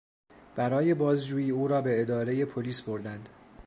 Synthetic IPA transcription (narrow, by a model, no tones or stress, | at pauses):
b̥æɾɒːje̞bɒːzd͡ʒuːjiːuːɾɒːbe̞ed̪ɒːɾe̞je̞pʰoliːsbo̞ɾd̪ænd̪̥